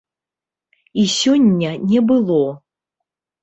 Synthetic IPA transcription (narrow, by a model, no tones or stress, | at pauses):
isʲɔnʲːɐnʲɛbɨlˠɔ